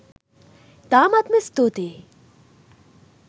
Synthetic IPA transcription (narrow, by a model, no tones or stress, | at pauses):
t̪aːmat̪mest̪oːt̪e